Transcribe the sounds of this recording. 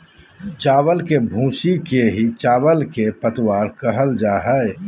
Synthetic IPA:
t͡ʃaːwəlkebʱũːsikeɦit͡ʃaːbəlkepət̪waːɾkəɦəld͡ʒaːɦɛ

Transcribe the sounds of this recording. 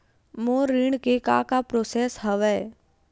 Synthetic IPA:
moːɾiɳkeka̰ːkapɾoːseːsɦəʋɛː

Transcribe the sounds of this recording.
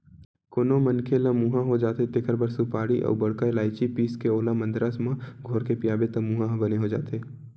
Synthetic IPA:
koːnomənkʰelãmuɦãɦod͡ʒaːt̪et̪eːkʰəɾbəɾsupaːɽiʔɔ̰ːɾbəɽkaelaːɪt͡ʃipiːskeoːlãmə̃nd̪ɾasmãɡʱoːɾkepijaːbet̪əmuɦãɦbəneɦod͡ʒa̰ːt̪eː

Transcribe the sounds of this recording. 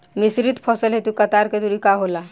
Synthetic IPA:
misɾit̪pʰəsəlɦet̪ukət̪aɾked̪uɾikaɦola

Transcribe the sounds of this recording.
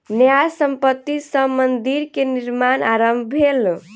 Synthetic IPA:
njajsəmpət̪ːisəmənd̪iɾkeniɾmanaɾəmbʱbʱel

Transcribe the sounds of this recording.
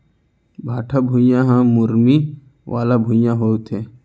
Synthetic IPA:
bʱaːʈʰabʱũjãɦãmʊɾmi | ʋaːlabʱujãɦoːt̪ɦɛː

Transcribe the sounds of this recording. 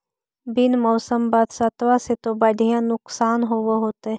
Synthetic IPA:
bɪnmɔːsəmbad̪sat̪ʋaset̪obɐd̪ʱijãnʊksaːnɦoʋoɦoːt̪e

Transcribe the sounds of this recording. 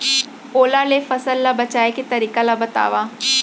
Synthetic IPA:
oːlalefɐsəlːabɐt͡ʃaːeket̪ɐɾiːkalabɐt̪a̰ːʋaː

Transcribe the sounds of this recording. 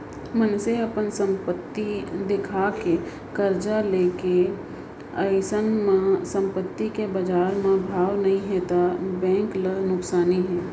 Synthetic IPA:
mənseɐpənsə̃mpət̪ːid̪ɪkʰaːke | kəɾd͡ʒaleːke | əjsənmãsə̃mpət̪ːikebəd͡ʒaːɾmãbʱaːwnɐɦĩɦɛt̪abɛ̃ːŋklənʊksaːniɦɛː

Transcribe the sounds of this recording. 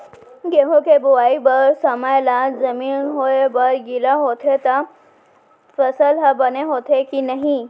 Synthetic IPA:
ɡeɦõkebuʋaibəɾsəməjlad͡zəmiːnɦojebəɾɡilaɦot̪ʰet̪a | fəsəlɦəbəneɦot̪ʰekinəɦĩ

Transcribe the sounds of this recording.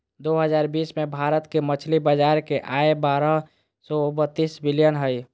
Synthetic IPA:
d̪oɦəd͡ʒaːɾbiːsmebʱaɾət̪kemət͡ʃʰlibəd͡ʒaːɾkeʔaebaɾəɦ | sɔubət̪ːisbilijənɦəj

